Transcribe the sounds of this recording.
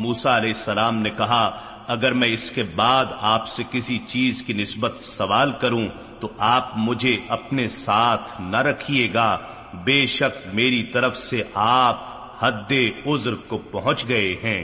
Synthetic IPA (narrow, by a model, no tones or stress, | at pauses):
muːsaɐlɛːɪsːɐlaːmnekɐɦa | ɐɡəɾmɛ̃ɪskebaːd̪aːpsekɪsit͡ʃiːzkinɪsbət̪sɐʋaːlkɐɾũ | t̪oʔaːp̚mʊd͡ʒʱeʔɐpnesaːt̪ʰnɐɾɐkʰieːɡaː | beːʃɐk̚meːɾit̪ɐɾəfseʔaːp̚ | hɐd̪ːeʊzɾkopɐɦʊ̃t͡ʃɡɐeɦɛ̃ː